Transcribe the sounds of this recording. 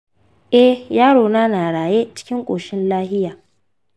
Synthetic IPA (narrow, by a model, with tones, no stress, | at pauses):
ʔɛ˦jaː˦ɽoː˨naː˦naː˨ɽaː˨je˦t͡ʃɪ̥˦kʲɪ˦ŋkʷʼoː˨ʃɪ˦nlaː˦hɪ˦jaː˨